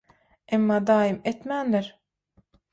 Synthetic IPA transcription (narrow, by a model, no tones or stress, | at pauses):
emːɑd̪ɑːjimet̪mænlɪɾ